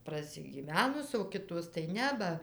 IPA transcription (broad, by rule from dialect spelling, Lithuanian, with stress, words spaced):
prɐsʲɪɡʲiːˈʋʲæːnʊs oː ˈkʲɪtoːs tɐɪ ˈnʲɛ ˈbɐ